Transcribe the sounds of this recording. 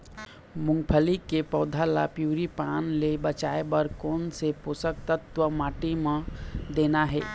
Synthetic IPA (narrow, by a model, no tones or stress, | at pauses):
mʊ̃ŋɡpʰəlikepɔːd̪ʱala̰pjuːɾipaːnlebət͡ʃaːebəɾkoːnseposək̚t̪ət̪ʋəmaːʈimẽd̪eːnaɦɛ̰ː